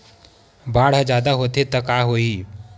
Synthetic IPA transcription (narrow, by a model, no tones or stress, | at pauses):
baːɽ̤ad͡ʒjaːd̪aɦoːt̪et̪əkaɦoi